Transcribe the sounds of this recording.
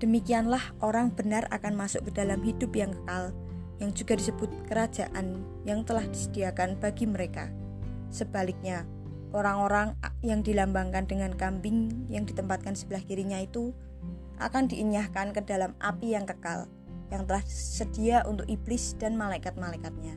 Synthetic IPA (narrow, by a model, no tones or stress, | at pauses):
d̥əmikianlahʔoɾaŋb̥ənara̰kanmasʊ̰ʔ̚kəd̥alamɦidʊpjaŋkə̥kal | jaŋd͡ʒuɡadisəb̥ʊt̪̚kəɾḁd͡ʒaʔan | jaŋt̪əlahd̥isəd̥iakanb̥aɡiməɾeka̰ | səb̥alɪk̚ɲa | ʔoɾaŋoɾaŋjaŋdilambaŋkandəŋankambɪŋjaŋdit̪əmpat̪̚kansəb̥əlahkiɾiɲait̪u | ʔa̰kandiʔiɲahkankədalamapijaŋkəka̰l | jaŋt̪əlahsəd̥iaʔṵnt̪ʊkib̥lɪsd̥anmalaikat̪̚malaikat̪̚ɲa